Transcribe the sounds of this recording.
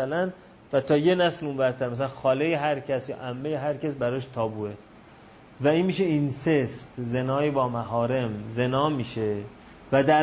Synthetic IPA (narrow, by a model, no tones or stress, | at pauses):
ælæn | væt̪ʰɒːjenæslumbæɾt̪ʰæɾmæs̬ælænxɒːlejeɦæɾcʰæsjɒ̰ːʔæmːejeɦæɾcæsbæɾɒːʃt̪ʰɒːbuːe | væiːnmiːʃeinsestze̞nɒːjebɒːmæɦɒːɾe̞mze̞nɒːmiːʃe | væd̪æ